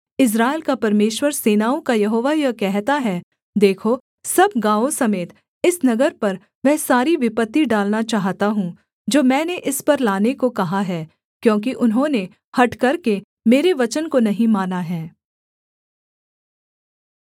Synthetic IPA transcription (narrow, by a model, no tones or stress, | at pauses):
ɪs̬ɾaːɪlkapɐɾmeːʃwəɾseːnaːõkajɐɦoːʋajɐkɛɦt̪aɦɛ | d̪eːkʰo | sɐb̚ɡãːosɐmeːt̪ | ɪsnɐɡəɾpɐɾ | mɛ̃ːsaːɾiʋɪpət̪ːiɖaːlnat͡ʃaːɦt̪aɦũ | d͡ʒoːmɛ̃ːneʔɪspɐɾlaːnekokɐɦaɦɛː | kjõːk̬iʔʊnɦõne | hɐʈkɐɾke | meːɾeʋɐt͡ʃənkonɐɦĩmaːnaɦɛː